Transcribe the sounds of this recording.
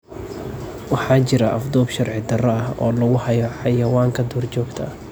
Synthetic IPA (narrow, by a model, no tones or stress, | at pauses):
wɑħɑːt͡ʃɪɾɐʔɐfd̪ɔːbʃɐrʕɪd̪ɐrɐɐhɔ̰ːlɐɣʊhɐjɔħɑjɐwaːŋkʰɐd̪ɔːrt͡ʃɔːɡt̪ʰɐ̰